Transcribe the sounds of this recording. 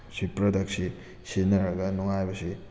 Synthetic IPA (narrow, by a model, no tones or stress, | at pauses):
sipɾɐdɐksi | senɐɾɐɡɐnuŋajbɐsi